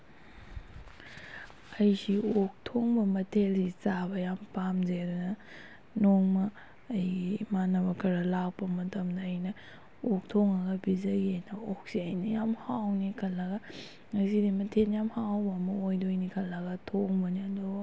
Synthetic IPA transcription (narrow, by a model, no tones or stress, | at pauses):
ɐjsiok̚tʰoŋbɐmɐtʰelsit͡ʃabɐjampamd͡ʒedunɐ | noŋmɐː | jimanɐβɐkʰɐɾɐlak̚pɐmɐtɐmdɐːjnɐ | ok̚tʰoŋɐɡɐbizɐɡiɐjnɐok̚siɐjnijamhawnikʰɐlːɐɡɐ | ŋɐsidimɐtʰenjamhawbɐːmɐojdojnikʰɐlːɐɡɐtʰoŋbɐniɐdu